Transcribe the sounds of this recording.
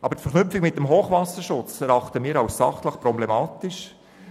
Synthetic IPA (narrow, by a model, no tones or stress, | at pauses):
ʔɑbəɾtfɛɾχnʏpfɪkmɪt̚ːəmɦoːχʋɑsəɾʃʊt͡sɛɾɑχt̪əmiːɾɑwssɑ̰χtləχpɾɔblemɑːt̪ɪʃ